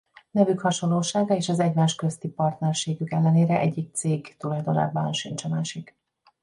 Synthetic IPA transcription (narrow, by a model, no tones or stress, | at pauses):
nɛvykhɒʃo̞nloːʃaːɡɒeːʃɒzɛɟmaːʃkø̞st̪ipɒrt̪nɛrʃeːɡykɛlːɛneːɾɛʔɛɟːik̚t̪seːɡt̪ulɒjd̪o̞na̰ːbːɒnʃint͡ʃɒmaːʃik